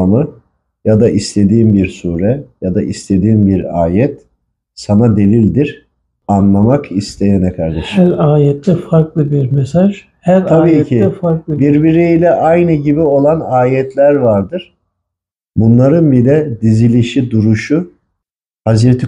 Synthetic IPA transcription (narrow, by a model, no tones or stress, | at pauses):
mɯ | jad̪aʔist̪ʰe̞d̪iːmbiɾsuːɾɛjad̪a̰ʔist̪ʰe̞d̪iːmbiɾa̰ːjɛt̪ | sanad̪e̞lʲilʲd̪iɾ̥ | anlˠamakʰist̪ʰe̞jɛnɛkʰaɾd̪ɛʃæɾaːjɛt̪ʰːɛfaɾklˠɯbiɾmɛsaʒ | hæɾt̪ʰabiːcʰiɛfaɾklˠɯbiɾbiɾiilʲɛʔajnɯɟibio̞lˠanaːjɛt̪ʰlʲæɾvaɾd̪ɯɾ̥ | bunlˠaɾɯnbilʲɛd̪izilʲiʃid̪uɾuʃʊ | hazɾet̪ʰi